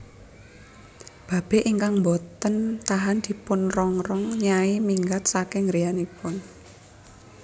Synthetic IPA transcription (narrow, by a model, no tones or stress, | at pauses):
b̥ä̤b̥e̤ʔiŋkaŋmbɔt̪ənt̪aɦand̪̥i̤pʊnrɔŋrɔŋɲaimiŋɡat̪̚sakɪŋɾijanipʊn